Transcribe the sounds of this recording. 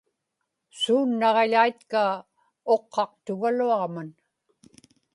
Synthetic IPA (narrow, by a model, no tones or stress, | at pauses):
suːnːɑʁeʎajt̪ka | oqʰːɑq̚t̪ʊɣaluɑʁman